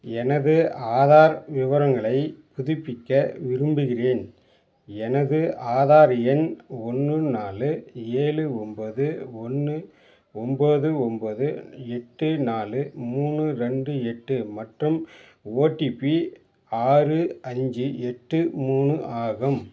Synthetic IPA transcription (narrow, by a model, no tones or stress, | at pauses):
ɛnɐðɯaːðaːɾʋɪʋɐɾɐŋɡɐɭɐɪpʊðɪpːɪkːɐʋɪɾɯmbɯɣɪreːn | ɛnɐðɯʔaːðaːɾɪjɐnɔnːɯnaːlɯeːlɯɔmbɐðɯɔnːɯ | ɔmboːðɯɔmboðɯɛʈːɯnaːlɯmuːɳɯɾɛɳɖɯɛʈːɯmɐʈrɯm | oːʈːipi | aːɾɯɐɲd͡ʒɯɛʈːɯmuːɳɯʔaːɣɐm